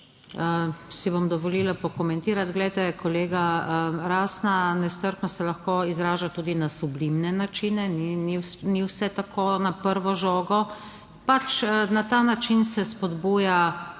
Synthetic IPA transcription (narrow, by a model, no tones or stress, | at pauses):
əsibomd̪ɔʋɔlilapɔkɔmɛnt̪iːɾat̪ɡlɛjt̪ɛkɔleːɡaəɾaːsnanɛst̪əɾknɔsɛlaxkoizɾaːʒat̪uːd̪inasublimnɛnat͡ʃinɛnininiwsɛt̪akʰonapəɾʋɔʒoːɡɔ | pat͡ʃnat̪aːnat͡ʃinsɛspɔd̪buːja